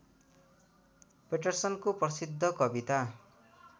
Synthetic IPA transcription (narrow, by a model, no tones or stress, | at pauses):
peʈʌrsʌnkoprʌsid̪ʱːʌkʌbit̪a